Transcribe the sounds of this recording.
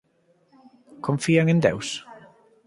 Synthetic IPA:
kʰɔɱfiːaŋɪnd̪ɛ̰ws

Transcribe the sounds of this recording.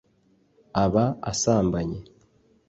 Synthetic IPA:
aβaa̰saːmbaɲe

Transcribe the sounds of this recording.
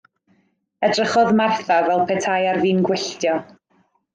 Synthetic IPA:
ɛdrəχɔðmarθavɛlˠpʰɛtʰajarviːnɡwɪɬtjɔ

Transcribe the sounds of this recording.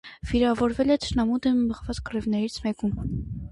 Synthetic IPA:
viɾɑvɔɾvɛlɛt̪ʰə̥ʃnɑmud̪ɛmːəʁvɑt͡skərivnɛɾit͡sʰmɛkum

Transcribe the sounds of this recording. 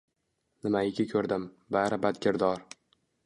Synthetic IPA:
nɪmaɪkʲɪkʲʰɵɾd̪ɪm | baɾɪbad̪ɡʲɪɾd̪ɒɾ

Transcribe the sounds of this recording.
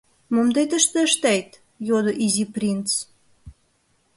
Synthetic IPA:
momd̪ejt̪ə̆ʃt̪ə̆ʃt̪æjt̪ | jod̪oʔiziprʲint̪t͡s

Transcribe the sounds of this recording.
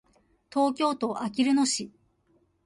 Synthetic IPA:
t̪o̞ːkʲo̞ːt̪o̞ʔakʲiɾɯ̟no̞ɕi

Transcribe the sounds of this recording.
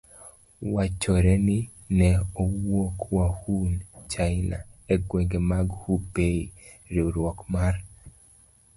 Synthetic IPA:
wat͡ʃɔɾɛni | nɛowokwahunt͡ʃaɪna̰ɛɡweŋɡemaɡhupei | ɾiuɾwɔkmar

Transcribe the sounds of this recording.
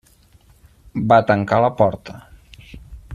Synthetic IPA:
bat̪əŋkaləpɔɾt̪ə

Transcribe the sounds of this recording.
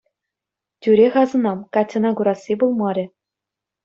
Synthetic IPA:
tʲyɾʲeχɑzɤ̆nɑmkɑtʲːɤ̆nɑɡuɾɑsʲːibulˠmɑɾʲɘ̆

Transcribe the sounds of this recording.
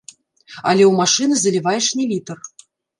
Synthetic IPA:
a̰lʲɛuwmaʂɨnɨzɐlʲivajɛʂnʲɛlʲit̪ɐr

